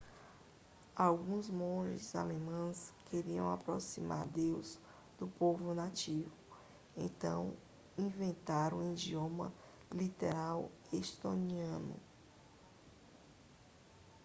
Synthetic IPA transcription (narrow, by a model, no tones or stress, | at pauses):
awɡũzmõʒɪza̰lemɐ̃skʰeɾiɐ̰̃w̃apɾosima̰ɾd̪ewz | d̪ʊpovʊnat͡ʃivʊ | ḛ̃nt̪ɐ̰̃w̃ | ĩvẽnt̪aɾũid͡ʒiõmɐ̰ | lit̪eɾaw | est̪õniɐ̃nʊ̰